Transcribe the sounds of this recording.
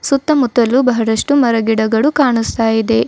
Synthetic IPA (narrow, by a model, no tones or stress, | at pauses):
sut̪ːɐmut̪ːɐlːubɐɦɐɾɐʂʈumɐɾɐɡiɽɐɡɐɭukaːɳust̪aːjid̪e̞